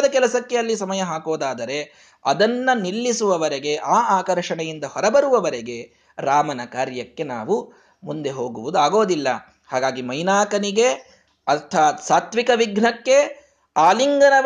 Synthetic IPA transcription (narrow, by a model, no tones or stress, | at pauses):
d̪ɐkɛlɐsɐkːeɐlːisɐmɐjɐɦaːkoːd̪aːd̪ɐɾe̞ | ɐ̰d̪ɐnːɐnilːisuʋɐʋɐɾeɡe̞ʔaːʔaːkɐɾʂɐɳɐjind̪ɐhɔɾɐbɐɾuʋɐʋɐɾeɡe̞ | ɾaːmɐnɐkaːɾjɐkːe̞na̰ːʋu | mund̪e̞ɦoːɡuʋud̪uaːɡoːd̪ilːɐ̰ | haːɡaːɡimɐjnaːkɐniɡe̞ | ɐt̪ʰaːt̪saːt̪ʋikɐʋiɡɳɐkːe̞ | aːliŋɡɐnɐ